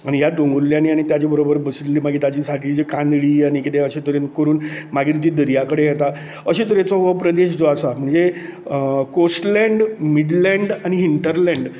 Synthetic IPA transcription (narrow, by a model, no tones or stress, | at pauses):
aɽ̃ijad̪oŋɡulːjaniaɽ̃it̪jat͡ɕebəɾobəɾbəsliːmaɡʱiːt̪at͡ɕiːsaʈʰiːd͡ʑikãnd̪ɭiːaɽ̃ikit̪eəɕet̪əɾenkəɾuːnmaɡiːɾt̪id̪əɾjakəɽejɛt̪a | əɕet̪əɾjet͡sɔʋəpɾəd̪eɕd͡zɔasam̤əɳd͡ze | kosʈlɛ̃ɳɖmiɽlɛ̃ɳɖañiɦiɳʈəɾlɛ̃ɳɖ